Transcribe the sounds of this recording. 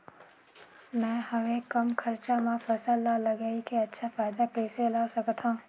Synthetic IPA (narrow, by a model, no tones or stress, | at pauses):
mɛ̃ːhɐʋẽkɐmkʰɐɾt͡ʃamãfɐsəlːalɐɡaikeɐtːʃʰafaːɪd̪akeːseɐlaːsɐkt̪ɦãː